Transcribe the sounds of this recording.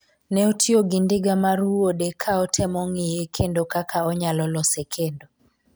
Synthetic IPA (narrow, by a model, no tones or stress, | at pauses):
nɛɔtʰioɡɪndɪɡamaɾuodekʰaɔtʰɛmɔŋɪjekʰendokakʰaɔɲalɔlɔsekʰendo